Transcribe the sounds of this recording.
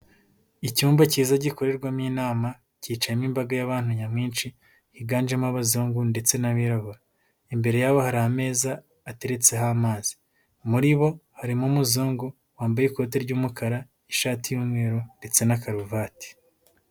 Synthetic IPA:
icuːmbaciːzaɟiko̞ɾe̞ɾɡwamɲiːnaːma | ciːt͡ʃajimimbaɡajaβaːn̥huɲamŋiːnt͡ʃi | hiɡaːnd͡ʒemaβazoːŋɡunde̞t͡se̞naβiɾaβuɾa | imbe̞ɾe̞jaβohaɾahame̞ːzaː | teɾe̞t͡se̞ɦamaːz̥i̥ | muɾiβohaɾimumuzoːŋɡu | waːmbajeiko̞teɾɟuːmukʰaɾa | iʃaːtijuːmŋwe̞ːɾonde̞t͡se̞nakaɾuvaːti̥

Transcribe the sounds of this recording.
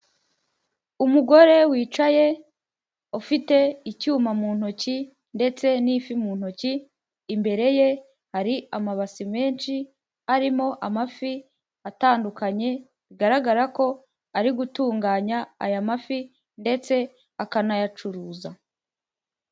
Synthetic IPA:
umuɡo̞ɾe̞wiːt͡ʃaje̞ | ofite̞icuːmamuːn̥hoci | nde̞t͡se̞niːfimuːn̥hociː | mbe̞ɾe̞je̞ | haɾiamaβasime̞ːnʃi | aɾimo̞ʔamafi | ataːndukaɲe̞ | βiɡaɾaɡaɾako̞ | aɾiɡutuːŋɡaːɲa̰ːjamafi | nde̞t͡se̞ | akanajat͡ʃuɾuːza

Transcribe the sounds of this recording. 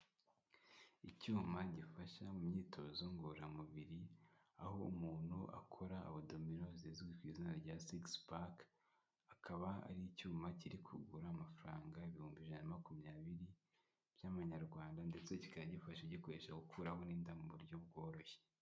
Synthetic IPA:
icuːmaɟifaʃamumɲiːtʰo̞zoŋɡoɾamuβiɾiaho̞umuːn̥huʔa̰kʰo̞ɾa̰ːβodo̞mino̞ziziɡwitwiːzinaɾɟasikspak | akʰaβaa̰ɾiicuːmaciɾikʰṵɡuɾamafuɾaːŋɡaiβihuːmbiʒanamakumɲaːβiɾi | b̥jaβaɲaɾɡwaːndande̞t͡se̞ci̥kaɟifaʃeɟiko̞ɾe̞ːʃaɡukʰuːɾaho̞niːndamuβuɾɟo̞b̚ɡo̞ːɾo̞çe

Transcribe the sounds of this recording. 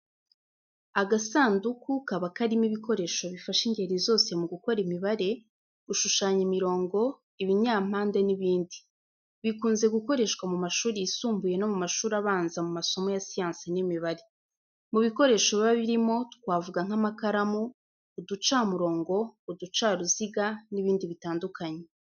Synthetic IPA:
aɡasaːndukukaβakaɾimiβiko̞ɾe̞ːʃo̞βifaʃiŋɡe̞ɾizo̞ːse̞muɡuko̞ɾimiβaɾe̞ | ɡ̥uʃuʃaːɲimiɾo̞ːŋɡo̞ | iβiɲaːm̥haːnde̞niβiːndi | βikuːnze̞ɡuko̞ɾe̞ʃɡwamumaʃuːɾiisuːmbuje̞no̞mumaʃuːɾaβaːnzamumaso̞mo̞jasijaːnsinimiβaɾe̞ | muβiko̞ɾe̞ːʃoββaβiɾimo̞tu̥kwaːvuɡaŋ̥amakaɾamuː | dut͡ʃaːmuɾo̞ːŋɡo̞ːdut͡ʃaːɾuziɡaniβiːndiβitaːndukaɲe

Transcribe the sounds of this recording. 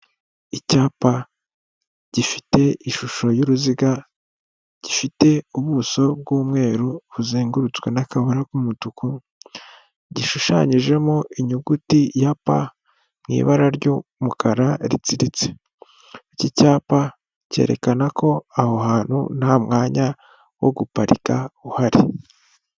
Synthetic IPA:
icaːpa | ɟ̥ifi̥te̞iʃuʃo̞juɾuziɡa | ɟ̥ifite̞uβuso̞bɡuːmŋe̞ːɾuβuziːŋɡuɾut͡swe̞̰nakaβoɾakumutuku | ɟiʃuʃa̰ɲiʒe̞moʔiɲuɡutijapa̰ | mŋḭβaɾaɾɟumukaɾaɾḭt͡siɾit͡se̞̥ | icicaːpa | ce̞̰ːɾe̞kanakʰo̞ahohaːn̥hṵnaamŋaːɲa | wo̞̰ɡupaɾikaβuhaɾi

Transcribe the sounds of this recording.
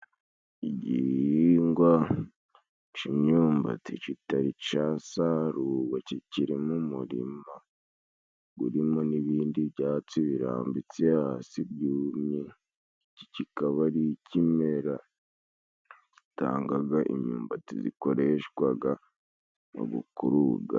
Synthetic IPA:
iɟiiŋɡwa | t͡ʃimɲuːmba̰tit͡ʃitaɾit͡ʃasaɾuːβaciciɾimumuɾḭma | ɡṵɾimo̞niβiːndiβɟaːt͡siβiɾa̰ːmbit͡sijasibjuːmɲe | cicikaβaɾicimeɾa | ci̥ta̰ːŋɡaɡaʔimɲuːmbatizḭko̞ɾe̞ʃɡwaɡa | no̰ɡṵkuɾuɡa̰

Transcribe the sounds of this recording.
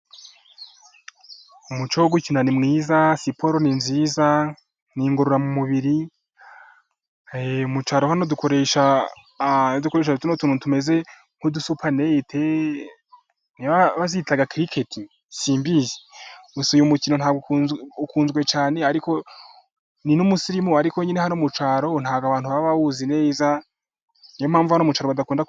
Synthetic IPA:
umut͡ʃowoɡucinanimŋiːzasipo̞ɾoninziːza | niŋɡo̞ɾoɾamumuβiɾi | eumut͡ʃaːɾohanoduko̞ɾeʃa | odukoeːʃ̬adutunotuːnutume̞ze̞ | ŋ̥hudusupʰane̞tʰe | niβaβazitaɡakɾikʰetʰi | siːmbizimusijumucinonhaːɡoukuːnzɡwe̞t͡ʃaːne̞aɾiko̞ | ninumusiɾimuaɾikoɲenehanomut͡ʃaːɾo̞n̥haːɡaβaːn̥huβaβaβuzine̞ːza | nijom̥haːɱvuhanomut͡ʃwaːɾoadakuːnda

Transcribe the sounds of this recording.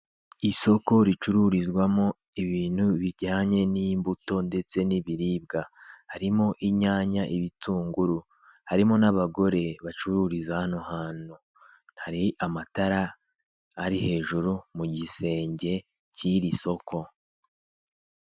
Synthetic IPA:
iso̞ko̞ɾit͡ʃuɾuɾizɡwamo̞ | iβiːn̥huβiɾɟaːɲe̞nimbuto̞nde̞t͡se̞niβiɾiːb̚ɡahaɾimo̞ʔiɲaːɲaʔiβituːŋɡuɾu | haɾimo̞naβaɡo̞ɾe̞βat͡ʃuɾuɾizahanuhaːn̥u | nhaɾiamataɾaː | ɾihe̞ːʒuɾumuɟise̞ːɲɟe̞ | ciɾiso̞kʰo̞

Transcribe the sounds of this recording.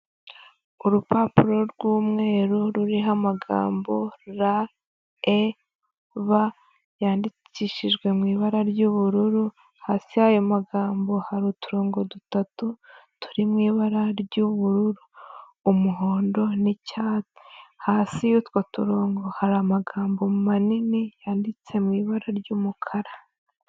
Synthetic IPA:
uɾupapuɾo̞ɾɡwuːmŋe̞ːɾuɾuɾiɦamaɡa̰ːmbo̞ɾa | e | βa | jaːndi | ciʃiʒɡwe̞mŋiːβaɾaɾɟuβuɾuɾu | haːsihajo̞maɡaːmbo̞haɾutuɾoːŋɡo̞dutatutu̥ɾimŋiːβaɾaɾɟuβuɾuɾuː | muɦo̞ːndo̞nicaːt͡si̥haːsijutko̞tuɾoːŋɡo̞haɾamaɡaːmbo̞mumaninijaːndit͡se̞mŋiːβaɾaɾɟuːmukʰaɾa

